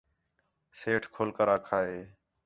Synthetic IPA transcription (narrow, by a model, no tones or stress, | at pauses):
seːʈʰkʰoːlkəɾaːkʰaːɦeː